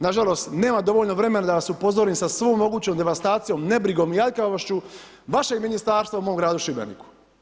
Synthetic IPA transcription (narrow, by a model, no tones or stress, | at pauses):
naʒalˠo̞st̪ne̞ːmad̪o̞ʋoʎnoʋɾe̞me̞nad̪aʋasupo̞zoɾiːmsasʋoːmːo̞ɡuːt͡ɕomd̪e̞ʋast̪aːt̪sijo̞mne̞bɾiɡo̞ːmijaʎkaʋoʃt͡ɕu | ʋaʃeɡminist̪aːɾst̪ʋaumoːmɡɾaːd̪uʃibenḭku̥